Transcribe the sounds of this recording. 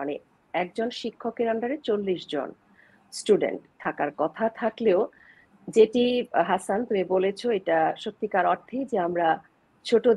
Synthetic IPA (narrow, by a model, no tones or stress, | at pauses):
ane | ɛk̚d͡ʑonʃikʰːokeɾaɳɖaɾet͡ɕolːiʃd͡ʑo̰n | sʈuɖḛɳʈt̪ʰakaɾkɔt̪ʰat̪ʰakleo | d͡ʑeʈiɦasant̪umebolet͡ɕʰoeʈaʃot̪ːikaɾɔɾt̪ʰːid͡ʑeamɾa | t͡ɕʰoʈo